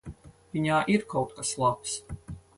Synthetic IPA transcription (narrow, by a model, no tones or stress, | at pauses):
vʲiɲaːʔiɾkawt̪̚kaslˠaps